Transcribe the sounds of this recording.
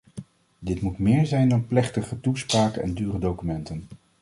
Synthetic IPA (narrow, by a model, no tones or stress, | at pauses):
dɪtmutmɪːɹzɛjndɑnplɛχtəχətuspraːkənɛ̰ndyːrədowkymɛntən